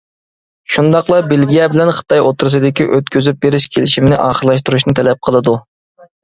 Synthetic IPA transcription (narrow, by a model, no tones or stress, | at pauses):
ʃund̪ɑqlˠɑbelɡʲijɛbɪlɛnχə̥t̪ʰɑjot̪ʰuɾɨs̬ɨd̪ɪkʲiʔøt̪̚kʲyzyp̚beɾɪʃkʲʰelɪʃimnɪʔɑːχəlˠɑʃ̬t̪uɾuʃ̬nɨt̪ʰɛlɛp̚qʰəlˠɨd̪u